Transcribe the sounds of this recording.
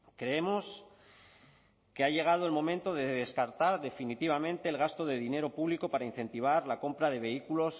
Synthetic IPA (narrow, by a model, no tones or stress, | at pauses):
kɾe̞emo̞s | ke̞aʝe̞ɣ̞að̞oe̞lmõ̞mẽnt̪o̞ðeðe̞skaɾt̪aɾðe̞finit̪iβ̞amẽ̞nt̪e̞ːlɣast̪o̞ðe̞ðine̞ɾo̞puβliko̞paɾain̟θe̞nt̪iβ̞aɾlako̞mpɾaðe̞β̞e̞ikulo̞s